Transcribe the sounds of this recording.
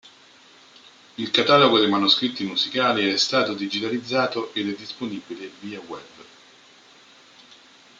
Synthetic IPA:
ilkat̪aːloɡod̪ejmanuskɾit̪ːimuzikaːliɛst̪aːt̪od̪id͡ʒit̪alid̪zːaːt̪oʔed̪ɛd̪ːisponiːbileviːawɛb

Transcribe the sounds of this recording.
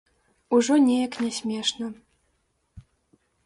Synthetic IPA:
uʐɔnʲɛjɐknʲɛsʲmʲɛʂnɐ

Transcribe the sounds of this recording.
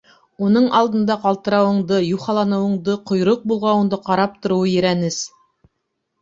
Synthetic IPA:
unɤɴʔɑlˠd̪ɤ̆nd̪ɑqɑlˠt̪ɤ̆ɾɑwɤ̆ɴd̪ɤjuχɑlˠɑnɤ̆wɤ̆ɴd̪ɤqŏjɾoq̚bulˠʁɑwɤ̆ɴd̪ɤqɑɾɑp̚t̪ŏɾŏwɤjɘ̆ɾænɘs

